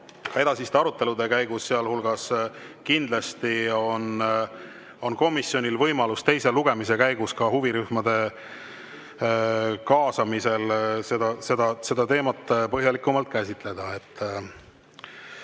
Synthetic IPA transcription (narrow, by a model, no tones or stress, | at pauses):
kɑe̞d̪̥ɑsist̪eɑɾut̪ːˑe̞lud̪e̞kæjɡ̥usːeɑlhulɡ̥ɑskind̪̥lɑst̪io̞n | o̞nko̞misːjo̞nʲilvɤ̞jmɑlust̪e̞jse̞luɡ̥e̞mis̬e̞kæjɡ̥uskɑhuviɾyhmɑd̪̥e̞ | kɑːsɑmise̞lse̞d̪̥ɑse̞d̪̥ɑse̞d̪ɑt̪e̞ːmɑt̪ːˑpɤɦjɑlikːˑumɑlt̪̚ˑkæsʲit̪ˑle̞d̪̥ɑe̞t̪ː